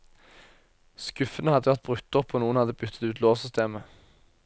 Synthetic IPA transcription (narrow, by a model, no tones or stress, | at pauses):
skʉfənəhɑd̪əʋæʁt̪̚bʁʉkt̪ɔpʰːoːnuːənhɑd̪əbʉt̪ʰːə̥t̪ʉːt̪loːsʏst̪ʰeːmə